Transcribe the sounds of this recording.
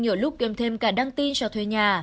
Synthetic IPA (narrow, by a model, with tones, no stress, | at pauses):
ɲə˨˧˨lʊ˦˥k͡p̚kɛ˨˩mt̪ʰe˧mkaː˧˩ɗa˧ŋt̪i˧nsa˧wt̪ʰwe˧˨˩ɲaː˨˩